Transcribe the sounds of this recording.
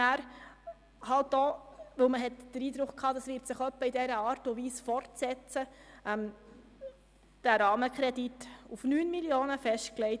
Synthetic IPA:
æːɾ | hɑltoːʋɵlməɦɛtd̥əɾiːd̥ɾʊχkʰhɑːdɑsʋɪːɾtsɪχœpːəidɛɾəɑːɾtʊʋiːsfɔɾtsɛt͡st͡səʔɛm | d̥æɾɑːməkʰɾɛditufnyːnmiljoːnəfɛʃtklɛɪt

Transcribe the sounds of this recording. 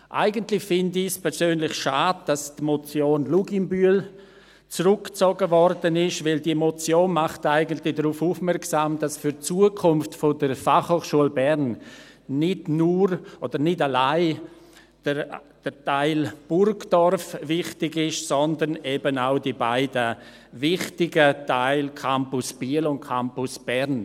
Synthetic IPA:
ʔa̰ɪɡəntlɪçfɪndɪspʰɛɾsøːnlɪçʃaːd̚d̥astmɔt͡sjoːnluɡɪmbyəl | t͡sɾʊkt͡soɡəvɔrdənɪʃvɪldimɔt͡sjoːnmaχtaɪɡəntlɪdɾuːfufmɛɾksaːmd̥asfyɾt͡suːəkʰʊnftfodərfaχhoːχʃuəlbɛɾn | nɪdnuɾʔod̥əɾnɪtalaɪ | d̥ə | d̥ətaɪlb̥ʊrɡd̥ɔrfvɪχtɪɡɪʃsɔndənebənaʊdibaɪdə | vɪχtɪɡətaɪlkʰampʊsb̥iəlʊnkʰampʊsb̥ɛɾn

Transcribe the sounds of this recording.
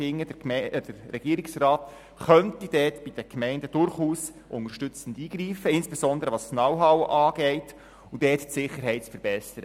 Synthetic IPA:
ɪŋːəd̥əd̥əɾːɛɡ̥iəɾɪksrɑːt | χœntid̥ɛːtb̥id̥əkmɛɪndəd̥ʊɾχuːs | ʔʊnərʃtʏt͡sən̩diːɡ̥ɾiːfəɪnsb̥ɛsɔnd̪əɾəʋɑssnɑwɦɑwʔɑːɡ̥ɛɪt | ud̥ɛːttsɪχːəɾɦɛɪtt͡sfəɾbɛsəɾə

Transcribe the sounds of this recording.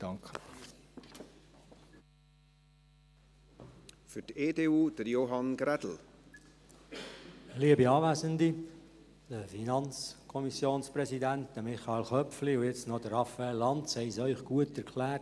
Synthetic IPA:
d̥ɑŋkə | fyteːdeːuːd̥əɾjoɦɑnɡ̥ɾɛdl̩ | liəbiɑːʋæːzəndi | dəfinɑnt͡skʰɔmisjoːnspɾɛsidæntdəmɪχɑelχœpfliʊjɛt͡stnɔd̥əɾɑfæɛlːɑntshɛɪsœʏχɡ̥uətɛɾkʰlæːt

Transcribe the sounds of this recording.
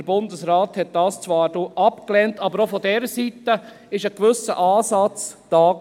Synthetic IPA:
əɾbʊndəsɾaːthɛt̚d̥ɑːst͡sʋɑːɾdoːʔɑpklɛntɑːbəɾofɔdɛːɾəsitə | ɪʃəkʋʏsə̰ʔɑːsɑt͡sd̥ɑː

